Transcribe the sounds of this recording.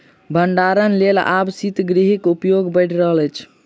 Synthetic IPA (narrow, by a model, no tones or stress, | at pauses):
bʱəɳɖaɾənlela̰bsit̪ɡɾiɦikupjoɡbəjʈʰɾəɦələt͡ʃʰ